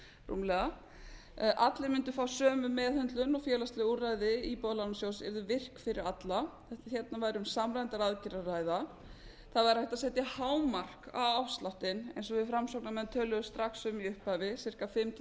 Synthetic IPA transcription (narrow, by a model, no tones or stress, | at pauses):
rṵmlɛɣa | ʔat̪lɪmʏnt̪ʏ̥faːwsœːmʏmɛːðhœnt̪lʏnɔfjɛːlast̪lɛɣuraːjðɪipɔðlanasjowsɛ̰ɾðʏvɪr̥kfɪɾɪɾat̪laθɛht̪açɛt̪̚navaːjɾɪʏmsamɾajnt̪aɾaðcɪɾarajða | θaðvaɾ̥hɛht̪asɛːht̪ɪhaːwmar̥ka̰wawst̪laht̪ɪnḛjnsɔvɪðfɾamsowknamɛðnt̪ʰœːlʏðʏst̪ɾaksʏmiʏhpajvɪsɪr̥kafɪmt̪ʰ